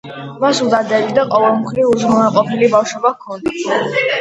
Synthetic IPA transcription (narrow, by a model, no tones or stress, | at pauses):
masulˠd̪ad̪ɛbid̪aqʼɔvɛlˠmχɾivuʒmɔnaqʼɔpʰilibafʃɔbakʰɔnd̪a